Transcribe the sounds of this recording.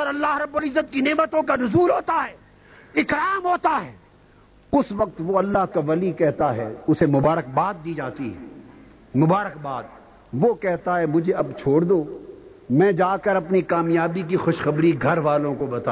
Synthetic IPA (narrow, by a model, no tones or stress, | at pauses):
ɔːɾɐlːaːɦɾɐbːolɪzːət̪kineːmət̪õkanʊzuːlɦoːt̪aɦɛː | ɪkɾaːmɦoːt̪aɦɛː | ʊsʋɐk̚t̪ʋoɐlːaɦkaʋɐlikɛɦt̪aɦɛʊsemʊbaːɾək̚baːt̪̚d̪iːd͡ʒaːt̪iɦɛ̰ | mʊbaːɾəkbaːd̪̚ | ʋokɛɦt̪aɦɛmʊd͡ʒʱeɐbt͡ʃʰoːɽd̪oː | mɛ̃ːd͡ʒaːkəɾɐpnikaːmjaːbik̬ixʊʃxɐbɾiɡʱɐɾʋaːlõkobɐt̪aː